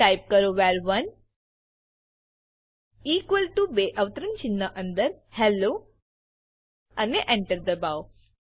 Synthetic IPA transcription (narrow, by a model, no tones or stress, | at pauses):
ajp̚kəɾoʋaːɾʋɐn | iːkwʋəlʈubeːʔɐʋt̪əɾənt͡ʃinːəʔɐ̃nd̪əɾhɛlːoː | ɐneʔɛ̃ɳʈəɾd̪əbaw